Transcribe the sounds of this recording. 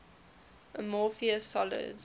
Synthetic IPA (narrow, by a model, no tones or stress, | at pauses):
əmɔːˑfiəsɔlɪ̰d